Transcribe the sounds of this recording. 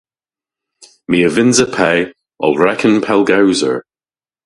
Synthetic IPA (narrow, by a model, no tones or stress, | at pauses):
miːəvɪnzəpʰɛː | ɔ̰lˠɹɛkʰənpʰɛlˠɡawzə̰ɹ